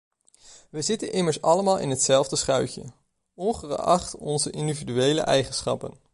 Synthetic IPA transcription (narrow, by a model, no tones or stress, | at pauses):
ʋəzɪtənɪməɹsɑləmaːlˠɪ̰nɦətsɛlˠvdəsχœɥcə̰ | ɔnχərɑχtɔnzəʔɪndividyejlə̰ʔɛjχənsχɑ̰pən